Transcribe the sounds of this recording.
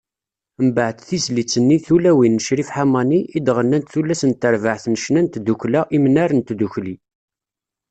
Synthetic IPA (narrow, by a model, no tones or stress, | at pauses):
əmbəʕt̪θizlit͡sːənːiθulæwinːəʃɾifħamɑniʔid̪ʁənːænt̪θulːæsənt̪ːəɾvəʕθnəʃnænt̪d̪uklæʔimənæɾənt̪d̪uçli